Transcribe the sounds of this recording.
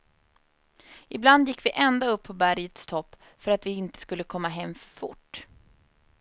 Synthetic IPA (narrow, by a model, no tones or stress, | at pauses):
ɪbland̪jɪkːvɪʔɛnd̪aɵpʰːɔbæɾjət̪st̪ʰɔpː | fœɾat̪vɪɪnt̪ə̥skɵlːəkʰɔmːaɦɛmːfœ̥ɾfʊ̰ʈː